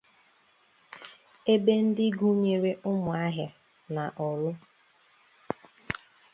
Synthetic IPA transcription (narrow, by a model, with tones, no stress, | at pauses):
e˦be˦n̩˦dɪ˦ɡu˦ɲe˨ɾe˦ʔʊ˦mʊ˨a˦ɦja˨ | na˨ʔɔ˨lʊ˦